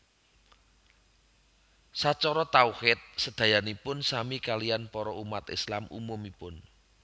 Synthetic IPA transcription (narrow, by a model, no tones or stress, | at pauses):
sat͡ʃɔɾɔt̪auhɪt̪̚səd̪̥ä̤janipʊnsamikalijanpɔɾɔʔumat̪ɪ̰slamʔṵmumipʊn